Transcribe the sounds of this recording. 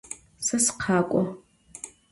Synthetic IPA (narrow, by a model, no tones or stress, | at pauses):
sɐsqʰaːkʷʼɔ